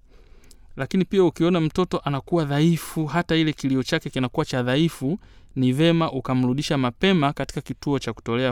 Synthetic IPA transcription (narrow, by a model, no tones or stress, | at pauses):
lakinipiaukiɔnam̩tɔtɔʔanakuwaðaifuɦatailɛkiliɔt͡ʃakɛkinakuwat͡ʃaðaifu | nivɛmaʔukam̩ɾuɗiʃamapɛmakati̥kakituɔt͡ʃaku̥tɔlɛa